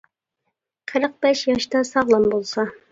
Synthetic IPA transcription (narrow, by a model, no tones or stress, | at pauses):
qʰə̆ɾɤq̚bæʃjɑʃt̪ɑsɑʁlˠɤmbulˠsɑ